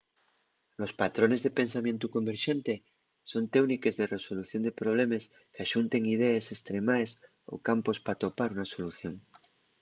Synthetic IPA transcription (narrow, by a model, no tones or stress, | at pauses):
lo̞spat̪ɾo̞ne̞zðepe̞nsamjent̪uko̞mbe̞ɾʃe̞nt̪e̞ | so̞nt̪ewnike̞zðe̞re̞so̞luθjo̞nd̪e̞pɾo̞β̞le̞mes | keaʃunt̪e̞ŋið̞eese̞st̪ɾe̞maes | o̞̰kampo̞spat̪o̞paɾunaso̞luθjo̞ŋ